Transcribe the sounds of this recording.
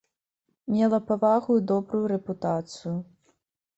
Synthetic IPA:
mʲɛlˠɐpavaɣuid̪ɔbɾujuɾɛput̪at̪sɨju

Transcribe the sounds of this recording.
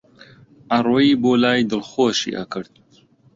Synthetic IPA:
ʔɐrwiːboːlaːjd̪ɨlxoːʃḭːʔɐkɨɾd̪̥̚

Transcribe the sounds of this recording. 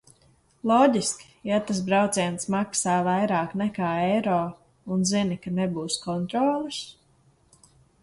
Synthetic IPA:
lˠɔːɟʲiskʲi̥jat̪as̬bɾawt̪sɛɛnsmaksaːvajɾaːknɛkaːɛjɾɔː | unzinikanɛbuːskɔnt̪ɾɔːlˠɨs

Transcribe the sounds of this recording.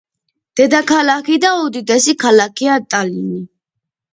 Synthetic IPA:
d̪̥ɛd̪akʰalakʰid̪aɔd̪id̪ɛsikʰalakʰiat̪ʼalini

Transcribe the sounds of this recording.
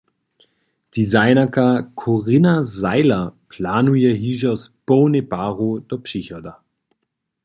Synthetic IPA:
d̥izaɪnɐkʰakʰoʁɪnazaɪlɐpʰlaːnujeɦiʒasb̥onebaːʁod̥ɔpʃiçɐda

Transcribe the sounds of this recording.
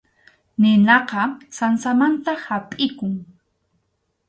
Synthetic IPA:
nɪnɑqɑsansamant̪ahapʼɪkʊŋ

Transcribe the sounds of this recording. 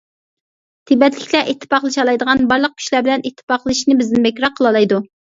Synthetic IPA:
t̪ʰibɛt̪lɪkʲlɛʔit̪ʰːɨ̥pɑqlˠɨʃɑlˠɑjd̪əʁɑnbɑɾlˠəq̚kʲʰy̥ʃlæbɪlɛnit̪ʰːpɑqlˠɨʃnɪbɪznɪbekʲɾɑqʰːəlˠɑlˠɑjd̪u

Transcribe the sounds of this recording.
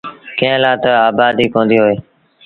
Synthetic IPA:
kẽɦlaːt̪əaːbaːd̪iːkõːnd̪iːɦoːeː

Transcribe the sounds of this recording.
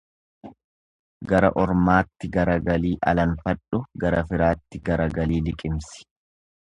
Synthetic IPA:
ɡɐɾɐ̰ʔɔɾmaːt̪ːɪɡɐɾɐɡɐliːʔɐ̰lɐnfɐᶑʊɡɐɾɐfɪɾaːt̪ːɪɡɐɾɐɡɐliːlɪkʼɪmsɪ̥

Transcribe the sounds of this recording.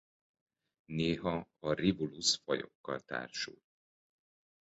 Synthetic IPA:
neːɦɒɒrivulusfɒjo̞̰kːɒlt̪a̰ːrʃuː

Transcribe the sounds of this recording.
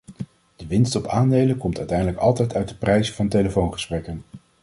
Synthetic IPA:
d̥əʋɪnstɔpaːndejləkɔmtœɥtɛjndələkɑlˠtɛjtœɥt̚dəprɛjzəvɑntejləfownχə̥sprɛkən

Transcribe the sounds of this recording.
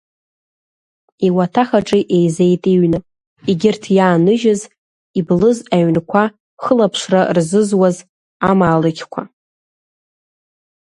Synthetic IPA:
iwatʰaχaʈ͡ʂʼiʔejzejtʼiɥnɨ | iɡʲɪrtʰjaːnɨʒɪz | iblɨzaɥnkʷʰa | χəlapʰʂrarzɨzwaz | amaːlɨɡʲkʷʰa

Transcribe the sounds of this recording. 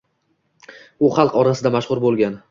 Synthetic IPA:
ʊχɑlˠqɒɾasɪd̪amaʃχʊɾbolˠɡʲan

